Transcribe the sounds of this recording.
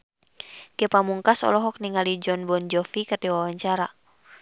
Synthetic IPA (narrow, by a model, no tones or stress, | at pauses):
kɛpamuŋkasɔ̰lɔɦɔk̚niŋalid͡ʒɔnbɔnd͡ʒɔfikərdiwawaɲt͡ʃaɾa